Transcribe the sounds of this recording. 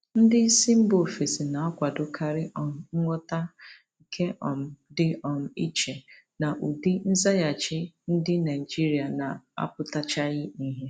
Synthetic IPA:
n̩˦dɪ˦i˦si˦m̩˦bo˨fe˨si˨na˨a˦kʷa˨dʊ˨kʰa˨ɾɪ˦ʔɔ˨m̩˨ŋ̩˦ŋʷɔ˦ta˦˨ | kʰe˦ʔɔ˨m̩˨dɪ˦ɔ˨m̩˦i˦t͡ʃe˨ | na˨ʔu˨di˦n̩˦za˦ja˨t͡ʃɪ˦n̩˦dɪ˦na˨i˨d͡ʒi˦ɾi˨a˨na˨a̰˦pʊ˦ta˦t͡ʃa˦ɣɪ˦ni˦ɦe˦

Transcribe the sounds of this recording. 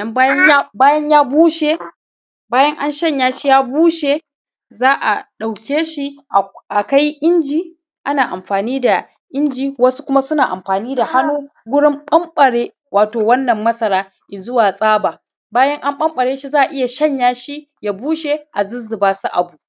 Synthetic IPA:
ɐ˨mbaː˦jɐ˦ɲa˦baː˦jɐ˦ɲjaː˦buː˦ʃe˨ | baː˦jɐ˦ŋʔa˦nʃɐ˦˨ɲjaː˦ʃi˦jaː˦buː˦ʃe˨ | zaː˦ʔa̰˨ɗa˨wkʲeː˦ʃi˦˨ʔa˨ka˦jʔɪ˦nd͡ʒiː˨ | ʔa˦naː˨ʔa˨mɸaː˨niː˦da˨ | ʔɪ˦nd͡ʒiː˨wɐ˦su˦kʷʊ˦ma˦sʊ˦naː˨ʔa̰˨mɸaː˨niː˦da˨ha˦nuː˦ɡʷʊ˦ɽɪ˦mɓɐ˦mɓɐ˨ɽeː˦ | waː˨toː˨wɐ˦nːɐ˨mːɐ˦sɐ˨ɾaː˦ | ʔi˨zʊ˦waː˨sʼaː˦baː˨ | baː˦jɐ˦ŋʔa˦mɓɐ˦mɓɐ˨ɽeː˦ʃi˦zaː˦ʔa˨ʔɪ˦ja˨ʃɐ˦ɲjaː˦ʃi˦ | ja˨buː˦ʃe˨ʔa˨zʊ˦zɪ˨baː˦su˦ʔa̰˨bu˨

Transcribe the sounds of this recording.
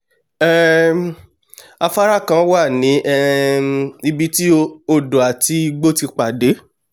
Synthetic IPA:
ɛ˦˨ | a˧fa˦ɾa˦˨kã˧wa˦˨nĩ˨˦ʔɛ˦˧ | i˧bi˧ti˦o˦˨do˨a˨ti˧i˧ɡ͡bo˦ti˧k͡pa˨de˨˦

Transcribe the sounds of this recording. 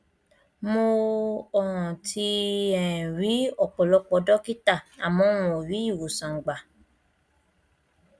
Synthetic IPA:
mo˧ɔ˦˨hɔ̃˨tʰi˧ɛ̃˨ɾi˨˦ɔ˦˨k͡pɔ˨lɔ˨˧k͡pɔ˧dɔ˦ki˦ta˦˨a˨mɔ̃˧˦w̃ũ˨o˨ɾi˨˦i˦˨wo˨sã˨ŋ˨ɡ͡ba˨

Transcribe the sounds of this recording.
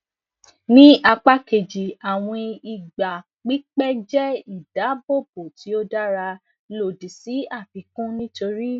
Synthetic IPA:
nĩ˦ʔa˧k͡pa˦ke˨d͡ʒi˨a˨w̃ɔ̃˧i˨ɡ͡ba˨ | k͡pi˨˦k͡pɛ˦d͡ʒɛ˦i˦˨da˨˦bo˦˨bo˨ti˨˦o˦da˦ɾa˧ | lo˨di˨si˨˦a˦˨fi˨˦kũ˦nĩ˦to˧ɾi˦

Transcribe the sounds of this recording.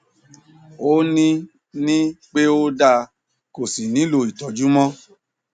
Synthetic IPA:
o˦nĩ˦ | nĩ˦k͡pe˦o˦da˧ | ko˨si˨nĩ˨˦lo˧˨i˨tɔ˨˦d͡ʒu˦mɔ̃˦

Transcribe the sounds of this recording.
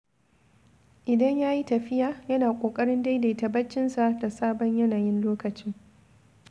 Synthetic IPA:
ʔɪ˨dɐ˦ɲjaː˦ji˦tɐ˨ɸɪ˦jaː˨jɐ˦naː˨kʷʼoː˨kʼɐ˦ɽɪ˦nda˦jda˨tɐ˨bɐ˦t͡ʃːɪ˦nsa˨da˨saː˦bɔ˦ɲjɐ˦naː˨jɪ˦nloː˦kɐ˨t͡ʃɪ˦ŋ

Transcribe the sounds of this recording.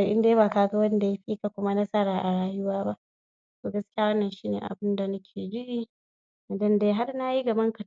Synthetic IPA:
a˨ʔɪ˦ndeː˦baː˨kaː˨ɡa˦wɐ˦n˦da˨ja˦ɸiː˦ka˨kʷʊ˦ma˦na˦sa˦ɾaː˨ʔa˨ɽaː˦jʊ˦waː˦ba˦ʔ | toː˨ɡɐ˦skʲɪ˦ja˦wɐ˦nːɐ˨nʃiː˦nḛː˨ʔa̰˨bɪ˦nda˨nɐ˦kʲʰeː˨d͡ʒɪ˦ʔi˦˨ | dɐ˦ndeː˦ɦa˦rna˦ji˦ɡɐ˨bɐ˦ŋkɐ˨

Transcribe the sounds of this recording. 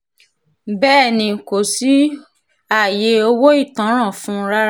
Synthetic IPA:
bɛː˦˨nĩ˨ko˨si˦ | a˦˨je˨˦o˧wo˦i˦˨tã˨˦ɾ̃ã˦˨fũ˦ɾa˦

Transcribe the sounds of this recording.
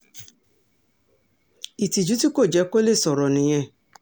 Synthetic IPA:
i˨ti˨d͡ʒu˦ti˦ko˦˨d͡ʒɛ˨˦ko˦le˦˨sɔ˨ɾɔ˨nĩ˨˦j̃ɛ̃˦

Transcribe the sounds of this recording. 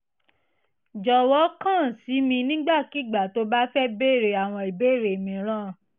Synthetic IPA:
d͡ʒɔ˧wɔ˨˦kã˦˨si˨˦mĩ˧nĩ˦ɡ͡ba˦˨ki˨˦˨ɡ͡ba˨to˨˦ba˦fɛ˦be˦˨ɾe˧a˨w̃ɔ̃˧i˨be˦˨ɾe˨mĩ˧˨˦ɾ̃ã˦˨

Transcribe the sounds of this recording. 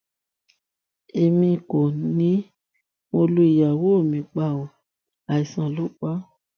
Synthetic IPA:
e˧mĩ˧ko˨nĩ˨˦ | mo˧lu˧˦i˨ja˨wo˦o˦˨mĩ˨˧k͡pa˦˨wɔ̃˨ | a˨i˨sã˨lo˦k͡pa˦

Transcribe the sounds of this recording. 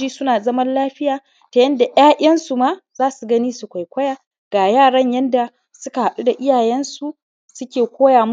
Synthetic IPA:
iː˦sʊ˦naː˨zɐ˦mɐ˦nlaː˦ɸɪ˦jaː˨ | ta˨jɐ˦nda˨j̰aː˦ʔʲɐ˦nsu˨ma˦z̥aː˦su˨ɡɐ˦niː˦su˨kʷa˨jkʷɐ˦jaː˦˨ | ɡ̥aː˨jaː˦˨ɽɐ˦ɲjɐ˦nda˨ | sʊ˦ka˨ha˨ɗu˦da˨ʔɪ˦jaː˨jɛ˦nsu˨ | sʊ˦kʲeː˨kʷoː˦jaː˨m˦

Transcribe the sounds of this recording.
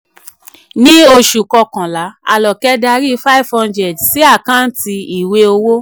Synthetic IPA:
nĩ˦o˧ʃu˨kɔ˧kã˨la˨˦a̰˨lɔ˨kɛ˦da˧ɾi˦fa˦i˦fɔ̃˧nd͡ʒɛ˨dsi˦a˦˨kã˦n̩˦ti˧i˨we˧o˧wo˦

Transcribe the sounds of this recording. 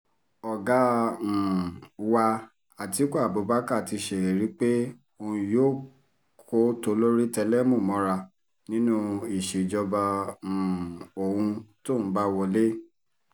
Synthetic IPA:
ɔ˨ɡã˨˦˨ | wa˧ | a˨ti˨˦kʷa˦˨bo˨˧˦ba˦ka˦˨ti˧ʃe˨e˨ɾi˨˦k͡pe˦ | o˧˨ũ˧joː˦˨ | kʰo˦to˧˦lo˦ɾi˦tɛ˧lɛ˦mũ˦˨mɔ̃˨˦ɾa˧ | nĩ˦nũ˦i˨ʃe˨d͡ʒɔ˧bã˧˨ | o˨hũ˧to˦˨ñ̩˦ba˦wɔ˧le˦

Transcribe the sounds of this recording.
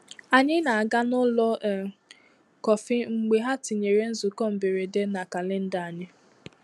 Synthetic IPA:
a˨ɲɪ˦na˨a˨ɡa˦nʊ˦lɔ˦˨ | kɔ˨fɪ˦ŋ͡m̩˨ɡ͡be˨ɦa˦tɪ˨ɲe˨ɾe˦n̩˦zʊ˨kɔ˦m̩˨be˨ɾe˨de˦na˨ka˨lɪ˦n̩˦da˨a˨ɲɪ˦

